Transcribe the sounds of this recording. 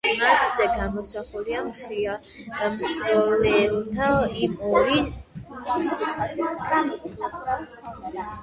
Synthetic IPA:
masːɛɡamɔsaχuliamχɾiad̪̥amsɾɔlɛlt̪ʰaimɔɾi | amsa

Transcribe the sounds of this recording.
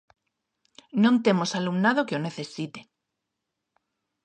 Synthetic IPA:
nõnt̪e̞mo̞salumnaðokeone̞θe̞sit̪e̥

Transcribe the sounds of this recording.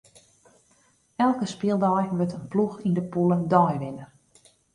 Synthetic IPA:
ɛlˠkəspɪəlˠdɔjʋøtənpluxindəpulˠədɔjʋɪnər

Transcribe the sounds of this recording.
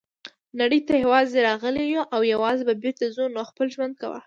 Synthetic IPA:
naɽəjt̪ajawɑzeɾɑɣəlewoʔawjawɑzebabɪɾt̪azonoxpəlʒwand̪̚kawa̰

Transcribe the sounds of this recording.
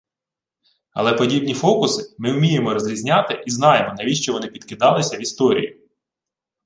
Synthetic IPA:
ɐ̰lˠɛpɔdʲibnʲifɔkʊsɪmɪʊmʲijemɔɾɔzʲɾʲizʲnʲɑt̪ɪʔiznɑjemɔnɐʋʲiʃt͡ʃɔʋɔnɪpʲid̪kɪd̪ɑlˠɪsʲɐʋist̪ɔɾʲḭjḭ

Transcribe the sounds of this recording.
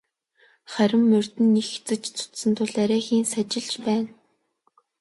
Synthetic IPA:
χæɾʲɪ̆mːɵr̥ʲt̪ɘ̆nːixt͡sɘ̆t͡ɕt͡sʰʊ̥t̪sə̆nt̪ʰʊɮæɾʲæːxiːnsat͡ɕɪ̆ɮt͡ɕpæːn

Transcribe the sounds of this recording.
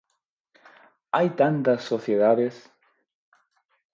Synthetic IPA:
ajt̪ãnt̪ɐsːoθjeðaðes

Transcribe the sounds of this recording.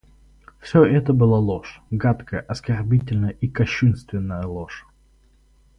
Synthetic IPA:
fsʲɵʔɛt̪əbɨlˠalˠoʂɡat̪kʰəjəʔɐskɐrbʲitʲɪlʲnəjəʔikɐɕːunst̪vʲɪnːəjəlˠoʂ

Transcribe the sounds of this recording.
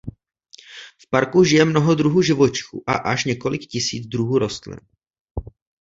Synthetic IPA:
fpaɾkuʒɪjɛmnoɦod̪ɾuɦuːʒɪvot͡ʃɪ̥xṵːʔaʔaʃɲɛko̞lɪkcɪsḭːd͡zd̪ɾuɦuːɾo̞st̪lɛ̰

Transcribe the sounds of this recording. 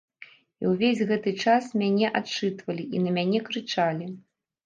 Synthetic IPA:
ḭwvʲezʲɣɛt̪ɨt͡ʂasmʲanʲɛʔat͡ʂɨt̪vɐlʲiʔinɐmʲanʲɛkɾɨt͡ʂalʲi

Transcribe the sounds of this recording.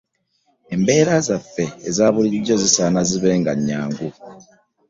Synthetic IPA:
embe̞ːɾazafːe̞ːzaːβuliiɟːo̞zisanaziβe̞ːŋɡaɲːaːŋɡu

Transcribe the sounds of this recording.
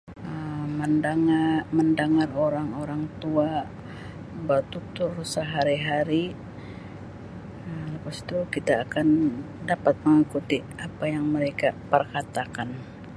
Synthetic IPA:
əməndaŋaməndaŋaroɾaŋoɾaŋt̪ua | bət̪ut̪ʊrsəɦaɾiɦaɾi | əpast̪ukit̪aːkan | dapat̪̚məŋikut̪i | apajaŋməɾekapərkat̪akan

